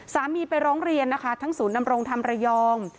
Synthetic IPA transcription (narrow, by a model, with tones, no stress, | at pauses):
saː˩˦miː˧pa˧jɾɔː˦˥ŋɾi˧ənːa˦˥kʰa˦˥t̪ʰa˦˥ŋsuː˩˦nda˧mɾo˧ŋt̪ʰa˧mɾa˧jɔː˧ŋ